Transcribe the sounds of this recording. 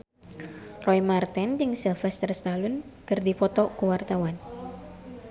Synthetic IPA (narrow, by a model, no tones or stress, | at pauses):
rɔjmart̪ɛnd͡ʒɨŋsilfɛst̪ərst̪alʊnkɨrdipɔt̪ɔkuwart̪awan